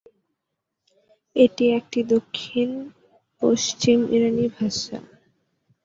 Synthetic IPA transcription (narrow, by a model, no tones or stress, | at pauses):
eʈiek̚ʈid̪okʰːin | poʃt͡ɕimḭɾanibʱaʃa̰